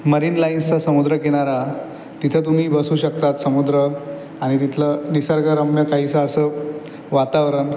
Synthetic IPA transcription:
məɾiːnlainst͡sasəmud̪ɾəkeɽ̃aɾa | t̪it̪ʰət̪̬um̤iːbəsuːɕəkt̪at̪səmud̪ɾə | aɽ̃it̪it̪ʰlənisaɾɡaɾəmjəkaɦit͡səəsə | ʋat̪aʋɾən

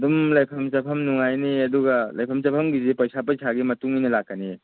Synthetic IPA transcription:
dumlɐjpʰɐmt͡ʃɐpʰɐmnuŋajniɐduɡalɐjpʰɐmt͡ʃɐpʰɐmɡizepɐjsapɐjsʰaɡimɐtuŋijnɐlak̚kːani

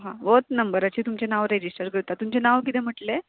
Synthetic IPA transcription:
ɦãʋot̪nəmbəɾat͡ɕiːt̪umt͡ɕenaʋɾed͡ʑisʈəɾkəɾt̪at̪ːumt͡ɕenaʋkit̪em̤əʈle

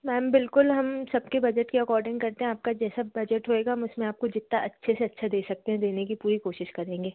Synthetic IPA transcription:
mɛːmbɪlkʊlɦɐmsɐb̚kebɐd͡ʒɛʈkiɐkɔːɾɖɪ̃ŋɡkɐɾt̪eɦɛ̃aːp̚kad͡ʒɛːsabɐd͡ʒɛʈɦoeːɡaɦmʊsmẽaːp̚kod͡ʒɪt̪naʔɐtːʃʰeseɐtːʃʰad̪eːsɐk̚t̪ẽɦɛ̃d̪eːnekipuːɾikoːʃɪʃkɐɾẽːŋɡeː

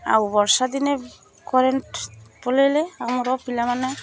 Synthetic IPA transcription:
a̰wbɔɾsad̪ine | kɔɾenʈpɔleleamɔɾɔpilamane

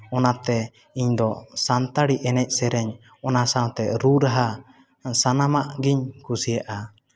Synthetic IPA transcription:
ɔnat̪ɛ | iɲd̪ɔsant̪aɽiʔɛnɛc̚ˀsɛɾɛɲ | ɔnasaw̃t̪ɛɾuɾaɦa | sanamaʔɡiɲkusijaʔa

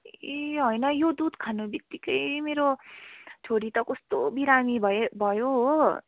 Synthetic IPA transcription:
eɦʌjnʌjod̪ud̪kʰanubjʌk̚t̪ikʌjmeɾo | t͡ʃʰoɾit̪ʌkost̪obiɾamibʱʌbʱʌjoɦ

